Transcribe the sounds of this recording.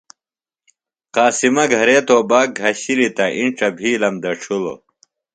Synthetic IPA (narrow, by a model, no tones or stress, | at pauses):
qaːsimɐɡʱɐɾeːt̪oːbaːk̚ɡʱɐɕilit̪ɐʔiɳʈ͡ʂɐbʱiːlɐmd̪ɐʈ͡ʂʰulo̰